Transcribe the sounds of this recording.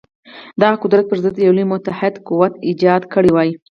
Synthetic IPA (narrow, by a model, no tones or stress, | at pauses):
d̪ɑɣaqʊd̪ɾat̪̚pəɾzəd̪ːəjawlimʊt̪ahɪd̪kuwat̪id͡ʒɑd̪kəɽiwɑji